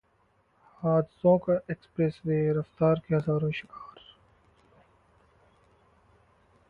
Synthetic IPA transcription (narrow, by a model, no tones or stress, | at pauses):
haːd̪ɪsõːkaʔeːkspɾesweːɾɐft̪aːɾkeɦɐzaːɾõːʃɪkaːɾ